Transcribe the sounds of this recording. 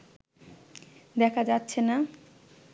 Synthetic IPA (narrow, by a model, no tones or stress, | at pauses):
d̪ɛkʰad͡ʑatːɕʰena